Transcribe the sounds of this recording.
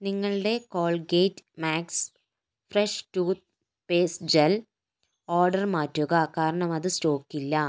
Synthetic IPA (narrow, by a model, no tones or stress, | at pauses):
niŋːɐɭɨɽe̞koːɭɡejtːmaːks | freʂʈuːt̪̚ | peːsd͡ʑɐl | oːrɖɐrmaːtːuɣɐkaːɾɐɳɐmɐðɨsto̞ːkːilːɐ